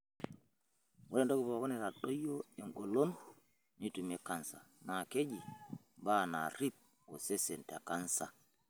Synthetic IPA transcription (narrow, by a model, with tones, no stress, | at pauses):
wu˦lɛ˦ndo˦ki˨bo˨kɔ˦nɛ˨ɾa˨ɗo˦jo˦ɛ˨ŋɡo˨lo˦n | ni˦tu˨mɛ˦ka˨nsa̰˨ | na˨ke˦d͡ʒi˨ | baː˦na̰˨ɾi˦p̚ | ɔ˨se˦se˨nta̰˨ka˦nsa˨